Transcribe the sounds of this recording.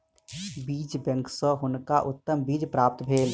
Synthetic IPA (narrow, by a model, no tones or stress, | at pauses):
biːt͡ʃbə̃ŋksəɦʊnkaʔʊt̪ːəmbiːd͡ʒpɾaːp̚t̪bʱeːl